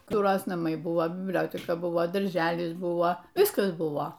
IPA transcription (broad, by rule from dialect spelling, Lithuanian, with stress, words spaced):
ˈkʊr ˈjoːs nɐˈmɐɪ ˈbʊʋoː bʲɪbʲˈlʲoːtʲɛkɐ ˈbʊʋoː dɐrʲˈʒʲæːlʲɪs ˈbʊʋoː ˈʋʲɪskɐs ˈbʊʋoː